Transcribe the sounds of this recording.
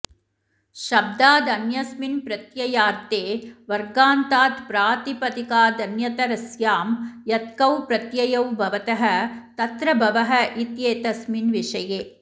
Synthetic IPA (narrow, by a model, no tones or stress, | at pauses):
ʃɐb̚d̪aːd̪ɐnjɐsminpɾɐt̪jɐjaːɾt̪eːʋɐɾɡaːnt̪aːt̪pɾaːt̪ipɐt̪ikaːd̪ɐnjɐt̪ɐɾɐsjaːmjɐt̪̚kɐwpɾɐt̪jɐjɐwbʱɐʋɐt̪ɐɦɐ̆t̪ɐt̪ɾɐbʱɐʋɐɦɐ̆ʔit̪jeːt̪ɐsminʋiʃɐjeː